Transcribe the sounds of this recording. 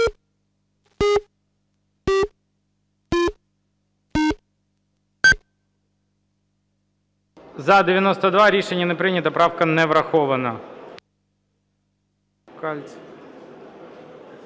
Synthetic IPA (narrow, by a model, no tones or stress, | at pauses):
zɐd̪ɪʋʲjɐnɔst̪ɐd̪ʋɑɾʲiʃenʲːɐnepɾɪnʲɐt̪ɐpɾɑwkɐnɛʋɾɐxɔʋɐnɐ | kɑlʲt͡sʲ